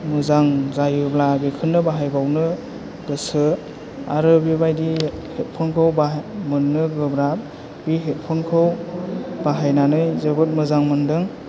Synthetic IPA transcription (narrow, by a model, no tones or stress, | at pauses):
mɯzaŋzajɯblabikʰɯnːɯbaɦajbawnɯ | ɡɯsɯ | aɾɯbibajdihet̚pʰɯŋkʰɯwbamɯnːɯɡɯbɾap̚ | biɦet̚pʰɯŋkʰɯwb̥aɦajnanɯjzebɯt̚mɯzaŋmɯndɯŋ